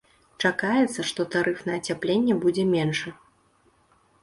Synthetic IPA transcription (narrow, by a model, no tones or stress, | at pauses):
t͡ʂakajɛt̪sːɐʂt̪ɔt̪aɾɨfnɐːt͡sʲaplʲenʲːɛbud͡zʲɛmʲenʂɨ